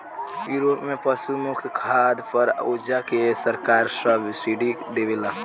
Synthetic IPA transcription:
juɾopmepəsumukʰt̪kʰad̪pəɾod͡ʒakesəɾkaɾsəbsiɖid̪ebela

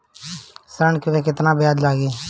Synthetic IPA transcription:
səɳkɪʋeːkɪt̪nãːbɪjaːd̪laːɡeː

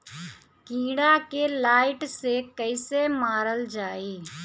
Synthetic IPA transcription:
kĩːɽakelaːɪʈsekəɪsemaːɾəld͡ʒaːiː

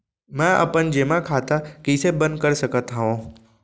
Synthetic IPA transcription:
mãʔɐ̰pən̆d͡ʑeːmãkʰaːt̪ʰakiːsebɐ̃nd̪kɐɾsɐkʰət̪ɦaːʋõ

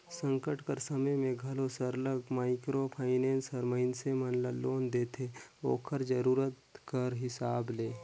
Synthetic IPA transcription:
sə̃ŋkəʈkəɾsəməjmẽɡʱɐlosəɾləɡmaːɪkɾopʰaːɪnẽːnsəɾməɪnsemənlaloːnd̪eːt̪ʰeo̰ːkʰəɾd͡ʒəɾuːɾət̪kəɾɦɪsaːbleː

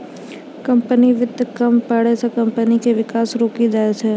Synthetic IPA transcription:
kɐ̃mpəniʋɪd̪kɐmpaɽesekɐ̃mpənikeʋɪkaːsɾoːkid͡ʒaːet͡ʃɛː

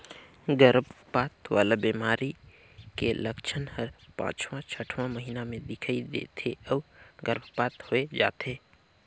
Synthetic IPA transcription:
ɡəɾbʱpaːt̪waːlabiːmaːɾi | keləkt͡ʃʰənhəɾpã̰ːt͡ʃwãt͡ʃʰəʈʰwãməɦiːnamẽd̪ɪkʰaid̪ḛːt̪ʰeɔːɡəɾbʱpaːt̪hoed͡ʒa̰ːt̪eː

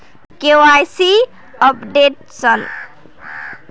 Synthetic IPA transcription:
keoajsi | ʌpɖeʈ̚ | sʌn

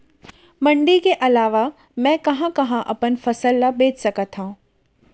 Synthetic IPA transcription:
mɐ̃ɳɖikeʔɐlaːʋa | mɛ̃ːkɐɦãkɐɦãʔɐpənfɐsəlːabeːt͡ʃsɐkət̪ɦã

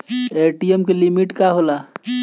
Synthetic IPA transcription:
eːʈijemkelimiʈkaɦola

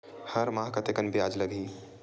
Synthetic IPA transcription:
hɐɾmaːkət̪ekɐnbiaːd͡ʒlɐɡiː

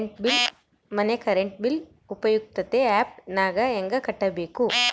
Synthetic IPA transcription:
ɳʈbil | mɐnekɐɾeɳʈ̚bil | upɐjuk̚t̪ɐt̪eaːp̚naːɡɐeŋɡɐkɐʈːɐbeːku

